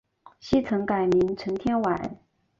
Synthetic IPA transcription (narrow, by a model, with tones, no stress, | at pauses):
ɕi˥t͡sʰɤ˧˥ŋka˨˩ɪmi˧˥ŋʈ͡ʂʰɤ˧˥ŋt̪ʰjɛ˥nwa˨˩˦n